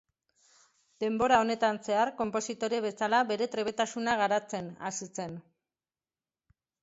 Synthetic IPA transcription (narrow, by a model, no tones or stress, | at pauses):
d̪̥e̞mbo̞ɾao̞ne̞t̪anse̞aɾko̞mpo̞sit̪o̞ɾieβe̞salaβe̞ɾe̞t̪ɾe̞β̞e̞t̪asunaɣaɾat͡se̞na̰sise̞n